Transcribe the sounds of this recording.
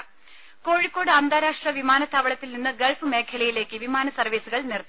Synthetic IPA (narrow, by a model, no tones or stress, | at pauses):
ko̞ːɻikːo̞ːɽɨɐnd̪aːɾaːʂʈrɐʋimaːnɐt̪ːaːʋɐɭɐt̪ːilninːɨɡeɭfɨme̞ːkʰːɐlɐjile̞ːkːɨʋimaːnɐsɐrʋiːsuɣɐɭnerɐt̪ː